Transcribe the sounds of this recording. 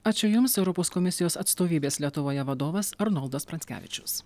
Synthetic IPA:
ɑːt͡ʃʲʊjʊmsɛʊɾɔpoːskɔmʲɪsʲɪjoːsɐt̪st̪oːʋʲiːbʲeːslʲiɛt̪ʊʋoːjɛʋɐd̪oːʋɐsɐɾnɔlˠd̪ɐspɾɐnʲsʲkʲæ̰ːʋʲɪ̰t͡ʃʲʊs

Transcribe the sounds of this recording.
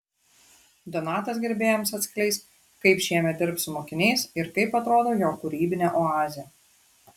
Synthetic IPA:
d̪ɔnɑːt̪ɐsɡʲɛɾʲbʲeːjomsɐt̪ʲsʲkʲlʲɛɪst̪ʲ | kɐɪpʃʲiɛmʲɛt̪̚d̪ʲɪɾpsʊmoːkʲɪnʲɛɪsɪɾkɐɪpɐt̪ɾoːd̪oːjoːkʊɾʲiːbʲɪnʲɛʔoɑːzʲɪjɛ

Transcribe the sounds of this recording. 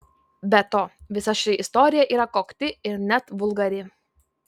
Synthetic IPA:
bʲɛt̪oːʋʲɪsɐʃʲɪʔɪst̪ɔːɾʲɪjɛʔiːɾɐkoːkt̪ʲɪɪɾnʲɛt̪ʋʊlˠɡɐɾʲɪ

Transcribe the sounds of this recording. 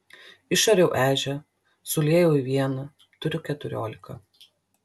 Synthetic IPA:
ɪʃɐɾʲɛʊʔæːʒʲɛ | sʊlʲeːjɛʊiʋʲiɛnɐ | t̪ʊɾʲʊkʲɛt̪ʊɾʲo̰ːlʲɪkɐ

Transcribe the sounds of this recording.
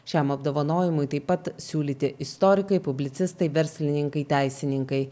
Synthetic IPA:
ʃʲɛmɐbd̪oːʋɐnoːjɪmʊjt̪ɐɪpːɐt̪sʲuːlʲiːt̪ʲɪʔɪst̪ɔɾʲɪkɐɪpʊbʲlʲɪt̪sʲɪst̪ɐɪʋʲɛɾʲsʲlʲɪnʲɪŋkɐɪt̪ʲæɪsʲɪnʲɪŋkɐɪ

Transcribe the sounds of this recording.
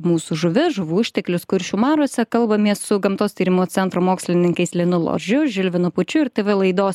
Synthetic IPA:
muːsuʒʊʋʲɪʒʊʋuːʊʃʲt̪ʲɛklʲʊskʊɾʲʃʲuːmɑːɾuɔsʲɛkɐlˠbɐmʲiɛssʊɡɐmt̪oːst̪ʲiːɾʲɪmuːt̪t͡ssʲɛnt̪ɾoːmoːksʲlʲɪnʲɪŋkɐɪslʲɪɛnʊlˠo̰ːʒʲʊʒʲɪlʲʋʲɪnʊpʊt͡ʃʲʊɪɾt̪ʲeʋʲɪlˠɐɪd̪oːs

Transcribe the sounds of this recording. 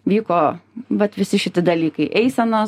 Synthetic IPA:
ʋʲiːkoːʋɐt̪ʋʲɪsʲɪʃʲɪt̪ʲɪd̪ɐlʲiːkɐɪʔɛɪsʲɛnoː

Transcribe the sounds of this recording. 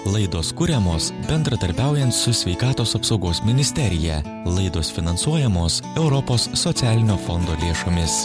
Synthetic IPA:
lˠɐɪd̪oːskʊɾʲɛmoːsbʲɛnd̪ɾɐd̪ɐɾʲbʲæˑʊjɛnt̪sʊsʲʋʲɛɪkɑːt̪oːsɐpsɒʊɡoːsmʲɪnʲɪsʲt̪ʲɛɾʲɪjɛ̰ | lˠɐɪd̪oːsfʲɪnɐnsuɔjɛmoːsɛʊɾɔpoːsːɔt̪sʲæːlʲɪnʲoːfɔnd̪oːlʲeːʃoːmʲɪs

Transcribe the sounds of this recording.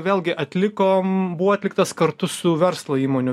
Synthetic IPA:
ʋʲeːlʲˠɡʲɪʔɐt̪ʲlʲɪkoːmbʊʋoːɐt̪ʲlʲɪkt̪ɐskɐɾt̪ʊsʊʋʲɛɾslˠoiːmoːnʲʊ

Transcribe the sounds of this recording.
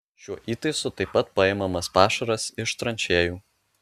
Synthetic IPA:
ʃʲuɔʔiːt̪ɐɪsʊt̪ɐɪpːɐt̪̚pɐɪmɐmɐspɑːʃɐɾɐsɪʃt̪ɾɐnʲt͡ʃʲeːjuː

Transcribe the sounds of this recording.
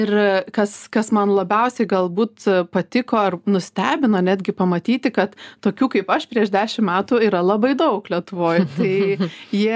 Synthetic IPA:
ɪrkɐskɐsmɐnlˠɐbʲɛʊsʲɛɪɡɐlˠbuːt̪pɐt̪ʲɪkoːɐrnʊsʲt̪ʲæːbʲɪnoːnʲæːd̪ʲɡʲɪpɐmɐt̪ʲiːt̪ʲɪkɐt̪toːkʲuːkɐɪpɐʃpʲɾʲiɛʃd̪ʲæːʃʲɪmmʲæːt̪uːiːɾɐlˠɑbɐɪd̪ɐʊklʲiɛt̪ʊʋoːjʊt̪ɐɪjiɛ

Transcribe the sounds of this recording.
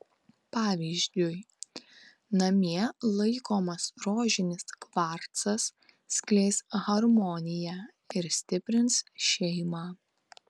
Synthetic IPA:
pɑːʋʲiːzʲd̪ʲʊj | nɐmʲiɛlˠɐɪkoːmɐsɾoːʒʲɪnʲɪskʋɑˑɾt̪sɐsːʲ | kʲlʲɛɪsɣɐɾmɔnʲɪjæ | ɪɾsʲt̪ʲɪpʲɾʲɪnsʃʲɛɪmɑː

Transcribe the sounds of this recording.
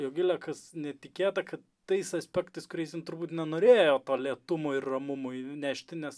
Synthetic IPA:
joːɡʲɪlʲɛkɐsnʲɛt̪ʲɪkʲeːt̪ɐkɐt̪ːɐɪsɐsʲpʲɛkt̪ɐɪskʊɾʲɛɪsʲjɪnt̪ʊɾbuːt̪nʲɛnoːɾʲeːjoːt̪oːlʲiɛt̪ʊmoɪrrɐmʊmʊɪnʲæːʃʲt̪ʲɪnʲɛs

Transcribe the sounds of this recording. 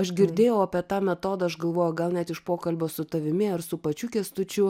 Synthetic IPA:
ɐʃɡʲɪɾʲd̪ʲeːjɛʊɐpʲiɛt̪ɑːmʲɛt̪oːd̪ɐɐʃɡɐlˠʋoːjʊɡɐlˠnʲɛt̪ɪʃpoːkɐlʲbʲoːsʊt̪ɐʋʲɪmʲɪɐɾsʊpɐt͡ʃʲʊkʲɛst̪ʊt͡ʃʲʊ

